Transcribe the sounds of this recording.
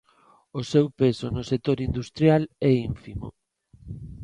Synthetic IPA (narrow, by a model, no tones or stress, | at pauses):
osewpesonosek̚t̪oɾind̪ust̪ɾjalɛiɱfimo̰